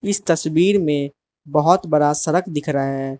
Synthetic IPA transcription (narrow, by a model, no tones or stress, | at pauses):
ɪst̪ɐswiːɾmẽ | bɐɦʊt̪bəɽasɐɾəkʰd̪ɪkʰɾaɦɛː